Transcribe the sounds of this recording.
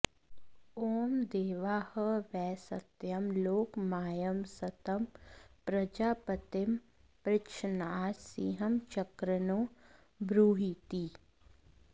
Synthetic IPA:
oːmd̪eːʋaːhəʋɛːsət̪jəmloːkmaːjəmsət̪əmpɾɐd͡ʒaːpət̪ɪm | pɾɪkʃənaːsiɦəmt͡ʃəkɾənoː | bɾuːɦit̪iː

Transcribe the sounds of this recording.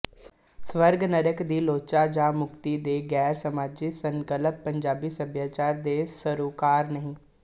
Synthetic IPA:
sʋəɾɡnəɾəkd̪iːloːt͡ʃaːd͡ʒãːmʊkt̪iːd̪eːɡɛːɾsəmaːd͡ʒisəŋkələpːəɲd͡ʒaːbiːsəbjaːt͡ʃaːɾd̪eːsəɾuːkaːɾnəɦĩː

